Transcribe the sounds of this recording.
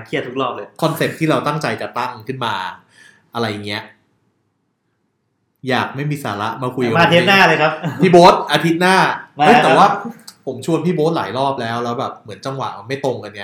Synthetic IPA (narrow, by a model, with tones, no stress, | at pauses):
kʰi˥˩ət̪ʰːu˦˥k̚lɔː˥˩k̚lɤː˧jkʰɔ˧nse˨˩p̚t̪ʰiː˥˩ɾa˧wt̪a˥˩ŋt͡ɕa˧jt͡ɕa˨˩t̪a˥˩ŋkʰɯ˥˩nmaː˧ | ʔa˧ɾa˧jːa˨˩ŋːi˦˥ɐʔ | jaː˨˩k̚ma˥˩jmiː˧sa̰ː˩˦la˦˥ʔmaː˧kʰu˧jka˨aː˧t̪ʰeː˦˥naː˥˩ləː˧jkʰa˦˥p̚pʰiː˥˩boː˦˥t̪̚ʔaː˧t̪ʰi˦˥t̪̚naː˥˩ɯ˧˥˩t̪ːwaː˥˩pʰo˩˦mt͡ɕʰu˧ənpʰiː˥˩boː˦˥t̪̚la̰ː˩˦jɾɔː˥˩p̚lɛː˦˥wlɛː˦˥wbɛː˨˩p̚mɯ˩˦ənt͡ɕa˧ŋwa̰˨˩ma˧ma˥˩jt̪o˧ŋka˧na˧